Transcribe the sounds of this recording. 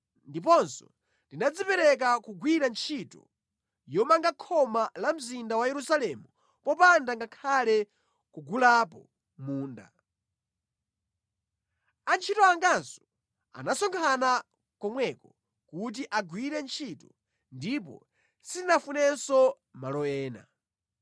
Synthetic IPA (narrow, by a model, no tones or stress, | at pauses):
ndip̬ɔnsɔ̰ | ndinad͡zipɛɾɛk̬akuɡwiɾant͡ʃʰitɔ̰ | jɔmaŋɡakʰɔmalam̩zindawajɛɾusalɛmu | pɔpandaŋɡakʰalɛ | kuɡulapɔ | muːnda̰ | ant͡ʃʰitɔaŋɡansɔ̥ | a̰nasɔŋkʰana | kɔmwɛkɔ | kut̬iʔaɡwiɾɛnt͡ʃʰitɔ̥ | ndipɔ̰ | sitinafunɛnsɔ | malɔɛːna̰